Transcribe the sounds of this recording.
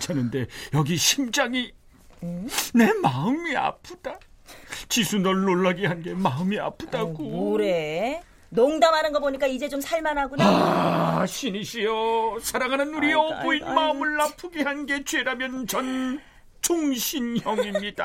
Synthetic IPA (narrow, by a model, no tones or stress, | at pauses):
t͡ɕʰanɯnde̞jʌɡiɕʰimd͡ʑaŋi | ne̞maɯmia̰pʰɯd̥a | t͡ɕisʰunʌɭːoɭːaɡeɦanɡe̞maɯmia̰pʰɯd̥aɡoɾe | noŋdamɦanɯnɡʌboɲik͈aid͡ʑe̞t͡ɕomsʰaɭmanɦaɡoa | ɕʰiniɕʰijʌsʰaɾaŋɦanɯnuɾiʌboinmaɯmɯɭːapʰɯɡehanɡe̞t͡ɕweɾamjʌnt͡ɕʌn | t͡ɕʰoŋɕʰinjʌŋimɲida